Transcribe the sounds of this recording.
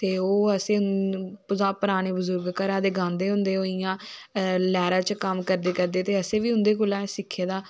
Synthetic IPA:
t̪eːoːəsẽːʊpʊzaːpəɾaːñeːbəzʊɾɡkəɾãːd̪eːɡãːnd̪eːɦʊ̃nd̪eːɦoːijãːlɛːɾaːt͡ʃkəmkəɾd̪eːkəɾd̪eːt̪eːəsẽːʋiːʊ̃nd̪eːkʊlãːsɪkʰːeːd̪aː

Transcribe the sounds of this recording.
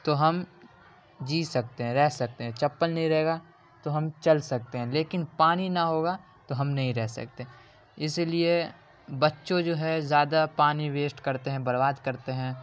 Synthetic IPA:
t̪oɦɐm | d͡ʒiːsɐk̚t̪eɦɛ̃ɾɛɦsɐk̚t̪eɦɛ̃t͡ʃɐpːəlnɐɦĩɾɛɦeːɡa | t̪oɦɐmt͡ʃɐlsɐk̚t̪eɦɛ̃leːkɪnpaːninɐɦoːɡa | t̪oɦɐmnɐɦĩɾɛɦsɐ̰k̚t̪e | ɪslie | bɐtːʃõd͡ʒoːɦɛzjaːd̪apaːniweːsʈkɐɾt̪eɦɛ̃bɐɾbaːd̪kɐɾt̪eɦɛ̃ː

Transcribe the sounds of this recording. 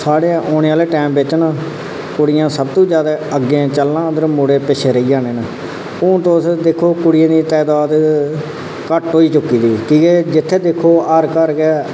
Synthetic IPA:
saːɽẽʔoːnẽːaːleːʈɛːmbɪːt͡ʃnãː | kʊɽɪjãːsəb̚t̪ũːd͡ʒjaːd̪aːəɡẽt͡ʃəlːãːd̪əɾmʊɽeːpɪt͡ʃʰeːɾəiːd͡ʒãːneːnə | õːt̪oːsd̪ekʰːoːkʊɽɪjãːd̪iːt̪ɛːd̪aːd̪ | kəʈɦoːiːt͡ʃʊkːiːd̪iːkiːkeːd͡ʒɪt̪ʰːeːd̪ɪkʰːoːəɾkəɾkɛː

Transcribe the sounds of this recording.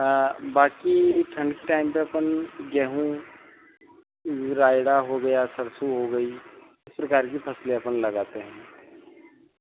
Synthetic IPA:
baːkiʈʰə̃ɳɖkʈaːɪmpeɐpənɡɛɦũ | ɾaːɪɽaɦoɡɐjasɐɾsuɦoɡɐi | ɪspɾɐkaːɾkipʰɐsleɐpənlɐɡaːt̪eɦɛ̃ː

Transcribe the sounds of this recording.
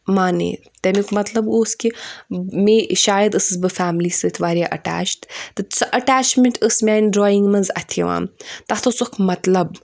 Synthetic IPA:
maːnḛː | t̪ɐmikmɐt̪lɐboːskʲimeʃaːjɐd̪ɨsɨzbɨfæːmlisɨɨt̪ʰʋaːɾʲjaʔɐ̰ʈa̰ːt͡ʃʈt̪ɨt͡sʰɨʔɐʈaːt͡ʃmeɳʈɨsmʲaːnɖɾoːjiŋɡmɐnzɐt̪ʰɐ̰ʋa̰ːmt̪ɐt̪ʰot͡sukʰmɐt̪lɐb

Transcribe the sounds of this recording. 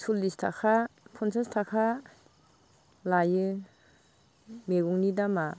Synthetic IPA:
sulːistʰa̰kʰapʰɔnsastʰakʰa | lajɯ | meɡuŋnidama

